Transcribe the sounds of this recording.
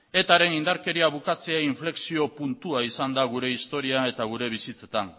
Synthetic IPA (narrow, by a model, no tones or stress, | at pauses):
e̞t̪aɾe̞nind̪aɾke̞ɾiaβ̞ukat͡se̞aiɱfle̞ksio̞punt̪uaisand̪aɣ̞uɾe̞ist̪o̞ɾiae̞t̪aɣ̞uɾe̞β̞isit͡se̞t̪an